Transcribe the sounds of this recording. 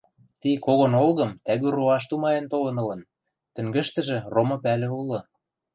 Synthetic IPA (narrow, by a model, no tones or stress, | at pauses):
t̪ikoɣonolɣɤ̆mt̪æɣyroɑʃ̬t̪umɑjent̪olɤ̆nɤ̆lɤ̆n | t̪ə̆ŋɡɘ̆ʃt̪ə̆ʒĕromɤ̆pælĕulɤ̆